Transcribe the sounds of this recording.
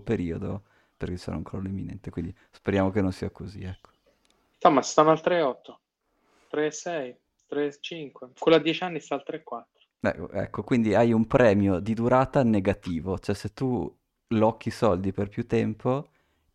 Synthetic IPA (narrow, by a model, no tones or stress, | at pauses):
peɾiːod̪o | perk̟et͡ʃːɛ̰ɾa̰uŋkɾɔ̰lːoemːinɛ̰nt̪ekwind̪i | speɾjaːmokenonsiːakoziɛkːo̥ | t̪amast̪anːalt̪ɾeɔt̪ːo | t̪ɾesɛj | t̪ɾet͡ʃiŋkwekolad̪jɛt͡ʃanːist̪aːlt̪ɾekːwat̪ːɾo̥ɛ̰ɛ̰kːokwind̪iajumpɾɛːmjod̪id̪uɾaːt̪aneɡat̪iːvot͡ʃoɛset̪ːu | lɔkːisɔld̪iperpjut̪ːɛmpo